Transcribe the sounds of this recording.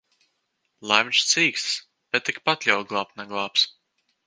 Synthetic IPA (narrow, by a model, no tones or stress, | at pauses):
lˠajmʲnʲʃt̪siːkst̪s | bʲɛt̪ːikpat̪lʲaw̪ɡlˠaːp̪̚naɡlˠɑːps